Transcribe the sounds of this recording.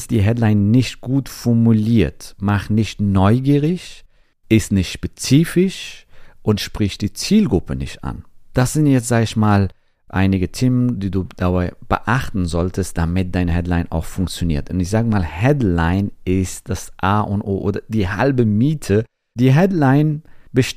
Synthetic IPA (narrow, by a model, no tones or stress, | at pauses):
std̥iːɦɛdlaɪnːɪçt̚ɡ̥uːtfɔɐmuliːɐtmaχtnɪçtnɔʏɡiːʁɪç | ʔɪstnɪçtʃpɛt͡siːfɪʃʔʊntʃpʁ̥ɪçtd̥iːt͡siːlɡʁʊpʰənɪ̰çtʔa̰nd̥asz̥ɪntjɛt͡stz̥aːɡəɪçmaːl | ʔa̰ɪnɪɡətʰeːməndiːduːd̥abaɪb̥ə̰ʔaχtn̩zɔltʰəst̚d̥amɪt̚d̥aɪnəhɛdlaɪna̰ʊxfʊŋk̚t͡sjonḭːɐtʊntɪçz̥aːɡəmaːlhɛdlaɪnɪst̚d̥asʔaːʔʊntʔo̰ːʔoːdɐd̥iːha̰lbəmiːtʰə | d̥iːɦɛdlaɪnb̥əʃ